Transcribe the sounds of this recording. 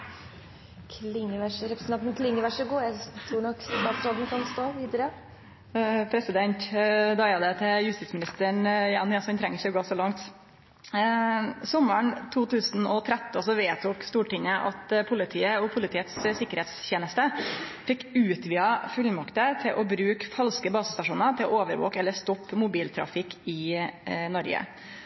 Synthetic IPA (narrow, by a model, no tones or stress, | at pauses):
kʰlɪŋːəʋæʂəɾɛpɾəsnɑnt̪nkʰlɪŋːəʋæʂəɡoːjæt̪ʰɾuːɳɔkːd̪ɑːt̪sɾɔln̩kʰɑnst̪oːʋiːd̪əɾə | pʰɾɛsɪd̪ɛnt̪d̪ɑɪɑd̪ət̪ʰɛjʉst̪ɪt̪smɪnɪst̪əɳjɑnɪɑsɔɛnt̪ʰɾɛŋːɾɪçəɔɡoːsɔlɑŋt̪ | sɔmːəɳt̪ʰuːt̪ʰʉːsnɔt̪ʰɾɛt̪ːsɔʋeːt̪ʰuːkst̪uːʈɪŋəʔɑt̪pʰʊlɪt̪ʰiːəɔpʰʊlɪt̪iːət̪ssɪkːəɾheːt̪sçeːnəst̪əfɪkːʉːt̪ʋiːɑfʉlmɑkt̪ət̪ʰɪlʔɔbɾʉːkfɑlskəbɑːsəst̪ɑʂuːnəɾt̪ʰɪlʔoːʋəɾʋo̰ːkɛlːəst̪ɔpːmʊbiːlt̪ʰɾɑ̰fɪkɪ | nɔɾɡə̰